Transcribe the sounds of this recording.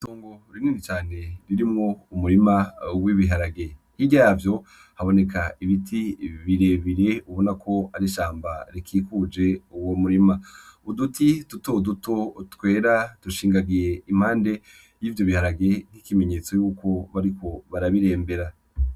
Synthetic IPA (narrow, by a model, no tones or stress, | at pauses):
toːŋɡo̞ɾiniːnit͡ʃaːne̞ɾiɾimŋo̞umuɾimawiβiɦaɾaɡe̞hiɟajavjo̞ | haβo̞ne̞kaiβitʰiβiɾe̞βiɾe̞uβo̞nakʰo̞aɾiʃaːmbaɾikʰiːkud͡ʒe̞uwomuɾimaudutʰidutoudutoutwe̞ːɾatuʃiːŋɡaɡije̞im̥haːnde̞ | jiːvjo̞βihaɾaɡe̞n̥hikime̞ɲeːt͡so̞juːko̞βaɾikʰo̞βaɾaβiɾe̞ːmbe̞ɾa